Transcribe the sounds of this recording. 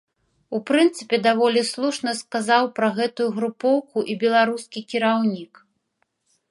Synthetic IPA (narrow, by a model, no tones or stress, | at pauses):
upɾɨnt̪sɨpʲɛd̪avɔlʲislˠuʂnɐskazawpɾɐɣɛt̪ujuɣɾupɔwkuʔibʲɛlˠaɾuskʲikʲiɾawnʲik